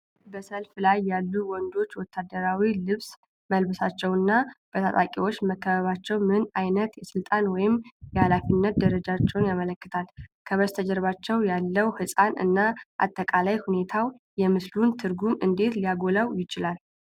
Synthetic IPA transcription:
bəsəlflajːalːuwɔnd̪o̞t͡ʃːwɔt̪ʰːad̪ːəɾawilɨβs | məlbɨsat͡ʃːɛwɨnːab̥ət̪ʰa̰t̪ʼakʼiwo̞t͡ʃːməkːəβəβat͡ʃːɛwmɨnajnət̪jɛsɨlt̪ʼanwɔjɪmjɛhalafinːət̪̚d̪əɾəd͡ʒat͡ʃːɛwnjamələkːɨt̪ʰalkʰəβəst̪ʰəd͡ʒɛɾβat͡ʃːɛwjalːəwhɨsʼanɨ̰nːaʔa̰t̪ʼːəkʼalajhune̞t̪ʰawjɛmɨslunt̪ʰɨɾɡumɨnd̪e̞t̪lijaɡo̞lawjɪt͡ʃɪlal

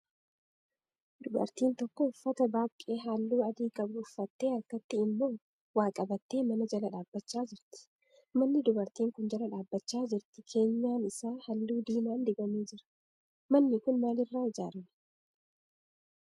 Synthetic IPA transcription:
d̪̥ʊbɐ̰ɾt̪iːnt̪ɔkːɔʊfːɐt̪ɐbaːkʼːe̞ːɦaːlːuːɐd̪iːkʼɐbʊʊfːɐt̪ːe̞ːɐɾkɐt̪ːɪɪmːo̞ː | waːkʼɐbɐt̪ːe̞ːmɐnɐd͡ʒɐlɐᶑaːbːɐt͡ʃːaːd͡ʒɪɾt̪ɪ̥ | mɐnːɪd̪ʊbɐɾt̪iːŋkʊnd͡ʒɐlɐᶑaːbːɐt͡ʃːaːd͡ʒɪɾt̪ɪkʰe̞ːɲːaːnɪsaːhɐlːuːd̪iːmaːnd̪ɪɡɐmeːd͡ʒɪɾɐ̥ | mɐnːɪkʊnmaːlɪrːaːɪd͡ʒaːɾɐm

